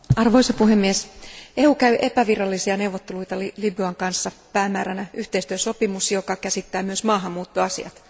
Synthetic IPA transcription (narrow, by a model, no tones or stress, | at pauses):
ɑrʋoisɑpuɦemːiese̞hukæɥʔe̞pæʋirɑlːisiɑne̞wʋot̪ːelujt̪ɑlilibyɑŋkɑnsːɑpæːmːæːɾænæʔyht̪e̞ist̪yøso̞pimusjokɑkæsit̪ːæːmyøsmɑːɦɑmːuːt̪ːoɑsḭɑ̰t̪